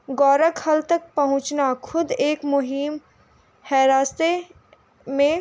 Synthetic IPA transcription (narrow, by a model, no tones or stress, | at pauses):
ɡɔːɾəkhɐlt̪ək̚pɐɦʊ̃t͡ʃnakʰʊd̪eːkmʊɦim | hɛɾaːst̪e | mẽ